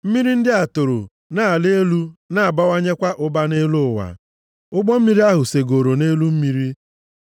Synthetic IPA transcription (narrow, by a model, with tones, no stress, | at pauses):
m̩˦mi˦ɾi˦n̩˦dɪ˦a˨to˨ɾo̰˨ | na˨a˨le˦lu˦na˦˨a˨ba˦wa˦ɲe˦kʷa˦ʔʊ˦ba˦ne˦lʊ˦ʊ˨wa̰˨ | ʊ˦ɡ͡bɔ˦m̩˦mi˦ɾi˦a˦ɦʊ˨se˨ɡo˨ɾo˨ne˦lu˦m̩˦mi˦ɾi˦